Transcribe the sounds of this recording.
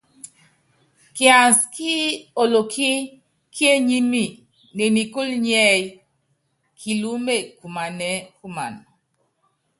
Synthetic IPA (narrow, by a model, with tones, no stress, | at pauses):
kja˨nski˦o˨lo˨kʰi˦ | kʰi˦e˦ɲi˦mi˨ | ne˨ni˨ku˦lɲɛ˦j | kʰi˨lu˦me˦˨ku˨ma˨nɛ˨˦ku˦ma̰˨n